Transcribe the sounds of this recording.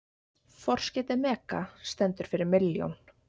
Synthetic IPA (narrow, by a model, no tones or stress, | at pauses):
fɔr̥scɛːt̪ɪmɛːka̰st̪ɛnt̪ʏɾ̥fɪɾɪɾmɪljo̰wn